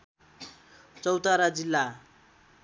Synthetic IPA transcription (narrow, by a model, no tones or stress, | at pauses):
t͡sʌwt̪aɾad͡zilːa